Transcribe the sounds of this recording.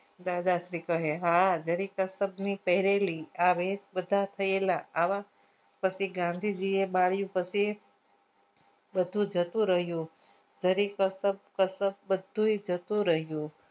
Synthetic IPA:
d̪ad̪aʃɾikəɦeɦad͡ʒəɾikəsəbnipəɦiɾeliaʋet͡ʃbəd̪ʱat̪ʰəelaːʋa | pət͡ʃʰiɡãnd̪ʱid͡ʒiebaɭjũpət͡ʃʰi | bəd̪ʱũd͡ʒət̪ũɾəɦjũ | d͡ʒəɾikəsəb̚kəsəb̚bəd̪ʱũid͡ʒət̪ũɾəɦjũ

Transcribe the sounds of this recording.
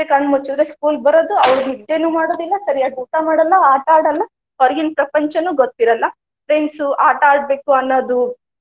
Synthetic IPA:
ekɐɳɖmut͡ʃːud̪ɾeskuːlbɐɾod̪uɐʋɐɭumid̪e̞ːnuːmaːɽoːd̪ilːɐsɐɾiaːɡuʈamaːɽɐlːɐaːʈaːɽɐlːɐ | kɐɾɡinpɾɐpɐɲt͡ʃɐnuɡot̪ːiɾɐlːɐ | pɾensuʔaːʈaːɖ̚be̞ːkuɐnːoːd̪u

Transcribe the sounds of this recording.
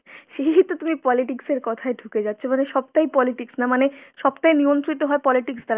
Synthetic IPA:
ʃeiɦit̪ut̪umipɔliʈikseɾkɔt̪ʰaeɖʱuked͡ʑatːɕʰomaneʃɔb̚t̪ajpɔliʈiksnamaneʃɔbt̪ajniont̪ɾit̪oɦɔepɔliʈiksd̪aɾ

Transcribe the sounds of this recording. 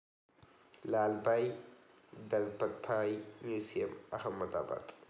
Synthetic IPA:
laːlbaj | d̪ɐlbɐt̪̚pʰaːjmjusiɐmɐhɐmːɐt̪a̰ːba̰t̪ʼ

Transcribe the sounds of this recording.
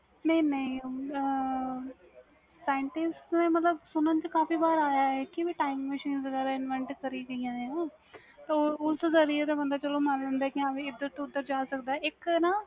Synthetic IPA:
nɐĩnɐĩ | saːjɪɳʈɪsʈmẽːmət̪ləbsʊnənt͡ʃəkaːfiːbaːɾaːjaːɦɛːkiʋiʈaːɪmməʃiːnzəɡɛːɾɪnʋə̃ɳʈkəɾiːɡəiːãːeãː | t̪ɐːʊszəɾiet̪̬ẽːbə̃nd̪aːt͡ʃəloːmaːnlə̃nd̪aɛkiaʋẽːɪd̪ːəɾt̪õʊd̪ːəɾd͡ʒaːsəkd̪aːɛɪknaː

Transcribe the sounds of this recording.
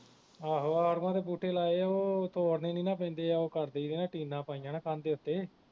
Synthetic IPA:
aːɦoːaːɾmãːt̪eːp̬uːʈʰeːlaːeːaoːt̪oːɾneːnĩːnãːp̬ɛ̃ːnd̪eːaoːkəɾd̪eːid̪eːnãːʈiːnãːpaːĩjãːnãːkaːnd̪eːʊt̪ːeː

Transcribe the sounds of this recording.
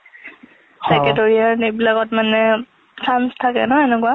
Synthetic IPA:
sɛkɛtɔɹiaɹnebilaɡɔtmanɛ | sʰamstʰakɛ̰nɔɛnɛkwa

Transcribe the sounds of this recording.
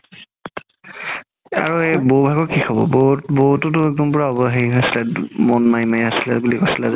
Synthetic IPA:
a̰ɹuɛbobʱaɡɔkixʰɔbɔ̰bobotʊtʊɛk̚dɔmpɔɹaɔbɔɦeiɦojsilɛmɔnmajmajasilɛ̰bulikosilɛz

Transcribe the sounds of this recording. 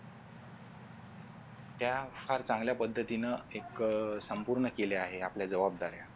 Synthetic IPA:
t̪jafaɾt͡saŋɡljapəd̪ʱːət̪inəeksəmpuɾɳəkeleaɦeapljad͡zəʋab̚d̪aɾja

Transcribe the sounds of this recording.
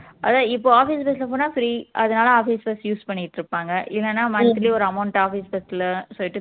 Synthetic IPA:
ʔɐðaːɪpːoːaːfiːsbɛstɪlɐp̬oːnaːfɪɾiːʔɐðɐnaːlɐaːfiːsbɛsjuːspɐɳːɪʈːɾɯpːaːŋɡɐʔɪlːɛnːaːmɐnɐt̪ːɪliɔɾɯɐmɐʊɳʈaːfiːsbɛslsɔlːɪʈːɯ

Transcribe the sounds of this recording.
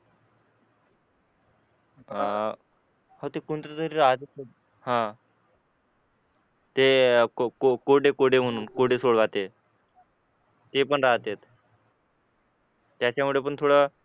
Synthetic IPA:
hot̪ekunt̪ɾət̪əɾiːɾaɦət̪e | hã | t̪ekokoɽekoɽem̤əɽ̃uːnkoɽesoɭʋat̪e | t̪epəɳɾaɦət̪jet̪ | t̪jat͡ɕamuɭep̬əɳt̪ʰoɽə

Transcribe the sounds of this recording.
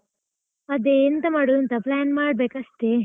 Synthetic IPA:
ɐd̪eːnt̪ɐmɐɽuɐnt̪ɐplaːnmaːɽ̚beːkɐst̪e

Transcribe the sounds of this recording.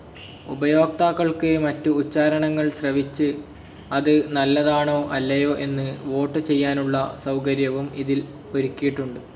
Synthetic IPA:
ubɐjo̞ːk̚t̪aːkːɐɭkɨmɐtːuːt͡ɕːaːɾɐɳɐŋːɐɭɕrɐʋit͡ɕːɨ | ɐðɨnɐlːɐðaːɳo̞ːʔɐlːɐjo̞ːʔe̞nːɨʋo̞ːʈːɨt͡ɕe̞jːaːnuɭːɐsɐwkɐɾjɐʋumiðil | oɾukːijiʈːuɳɖɨ

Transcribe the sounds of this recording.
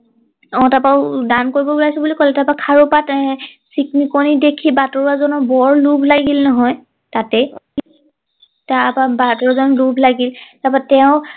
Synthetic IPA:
ɔ̃tapaʊdankoɹibɔbulasɔbulikɔlɛtapakʰaɹopat | siknikonidekʰibatɔɹazɔnɔbɔɹlubʱlaɡilnɔɦɔj | tatɛ | tapabatɔɹazɔnlubʱlaɡiltapatɛʊ̃

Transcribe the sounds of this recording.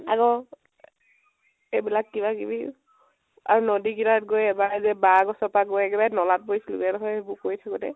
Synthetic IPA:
a̰ɡɔ | ebilakːibakibi | a̰ɹunɔdikiɾat̚ɡojɛbaɹɛzɛbaɡɔsɔpaɡojɛkɛbajnɔlat̚bojsilṵɡɛnɦɔjebʊkojtʰakɔtɛ̰

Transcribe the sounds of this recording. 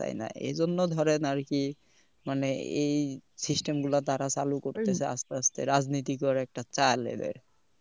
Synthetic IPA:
a̰jna̰ḛzonːod̪ʱɔɾenaɾki | maneejsisʈemɡulat̪aɾat͡ɕalukoɾt̪esʰea̰st̪east̪ḛɾad͡znit̪̬ikɔɾɛk̚ʈat͡ɕajlḛd̪ɔ̰ɾ

